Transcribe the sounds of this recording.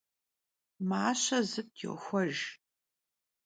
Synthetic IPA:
maːɕɐzɨtjɪ̰xʷɔʒ

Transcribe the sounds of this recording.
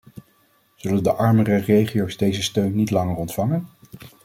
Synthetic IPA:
z̥ɵləndəʔɑɹmərərejχijowzdejzəstøɥnːitlɑŋərɔntfɑŋən

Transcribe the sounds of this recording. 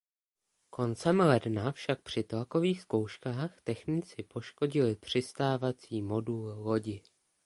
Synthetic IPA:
kʰo̞nt͡sɛmlɛdnafʃak̚pr̝̥ɪt̪lako̞viːxsko̞wʃkaːxt̪ɛxnɪt͡sɪpo̞ʃko̞ɟɪlɪpr̝̥ɪst̪aːvat͡siːmo̞dullo̞ɟɪ

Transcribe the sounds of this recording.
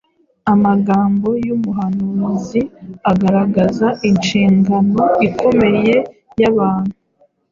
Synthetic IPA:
amaɡaːmbo̞jumuɦanuːziaɡaɾaɡazaʔinʃiːŋɡano̞ikʰo̞me̞je̞jaβaːn̥huu

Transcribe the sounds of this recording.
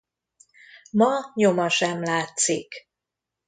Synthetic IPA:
mɒɲomɒʃɛmlaːt̪sik

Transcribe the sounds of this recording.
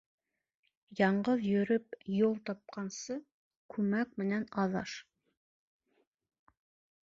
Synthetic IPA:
jɑɴʁəðjɵɾɪp̚jolˠt̪ʰɑp̚qɑnsə | kʲʰɵmæk̚ʲmɪnɛnɑðɑ̰ʃ

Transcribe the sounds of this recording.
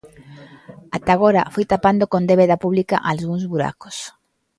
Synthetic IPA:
at̪aɣoɾafojt̪apand̪okond̪eβeðapuβlikaʔalɣuŋzβuɾa̰ko̥s

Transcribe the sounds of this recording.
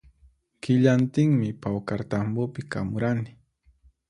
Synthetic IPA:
kɪʎant̪ɪŋmɪpawkaɾt̪ambʊpɪka̰mʊɾanɪ̥

